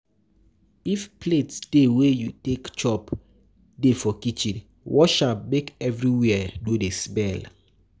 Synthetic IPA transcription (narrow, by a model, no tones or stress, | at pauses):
ifpʰletsdewejutekt͡ʃɔp | defɔkit͡ʃĩn | wʔɔʃal̚mekɛvɹiwɛdodesbɛl